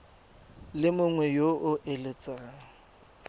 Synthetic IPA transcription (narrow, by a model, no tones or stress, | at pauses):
lɪmʊŋwɛjoʔʊʔelɪt͡sʼaːŋ̩